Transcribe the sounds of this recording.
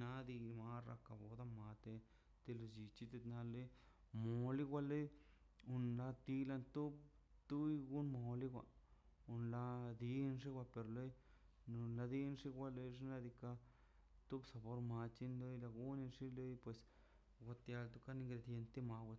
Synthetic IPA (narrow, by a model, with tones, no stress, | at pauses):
na˦d̪i˧ma˧ɾa̰˧ka˧˨bo˧d̪a˦˧ma˨t̪e˧ | t̪e˧lo˧d͡ʒi˨t͡ʃi˦t̪e˧t̪na˧le˦ | mo˧li˦ɡʷa˧le˦j | u˧nla˧t̪i˧la˧nt̪u˦b | t̪u˦jɡu˦nmo˧li˦ɡʷa̰˧˨u˧nla˧d̪i˧nʐi˦ɡʷa˧pe˧ɾle˦j | no˧la˧d̪i˦nʂi˦ɡʷa˦le˧ʐi˦na˧d̪i˧ka˧ | t̪u˦bsa˨bo˧ɾma˧t͡ʃi˦nlo˦jla˧ɡu˦ni˧nʂi˦le˦jpwe˨s | ɡʷa˧t̪ja˧lt̪u˦ka˦ni˧ŋɡɾe˧d̪je˧nt̪e˦ma˧wʷa˧